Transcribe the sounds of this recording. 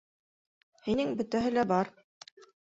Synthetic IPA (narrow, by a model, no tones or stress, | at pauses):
hinɘŋbɵ̆t̪æɦɘlæbɑɾ